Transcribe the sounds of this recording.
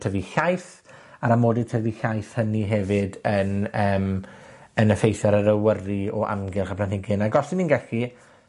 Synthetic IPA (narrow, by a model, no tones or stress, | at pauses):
tʰəviɬajθ | aɾamoːdɪd̚tʰəviɬajθhəniɦɛvɪdənəːm | ənəfejθaɾəɾəwəriɔʔa̰mɡɪrχablanhɪɡɪnaɡɔsɪninɡɛɬi